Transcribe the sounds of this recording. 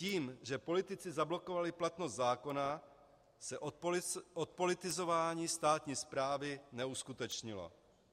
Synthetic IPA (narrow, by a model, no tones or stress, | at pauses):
ciːmʒɛpo̞lɪt̪ɪt͡sɪzablo̞ko̞valɪplat̪nost̪zaːko̞na | sɛʔʔot̪̚po̞lɪt̪ɪzo̞vaːɲiːst̪aːt̪ɲiːspɾaːvɪnɛuskut̪ɛt͡ʃɲɪlo̰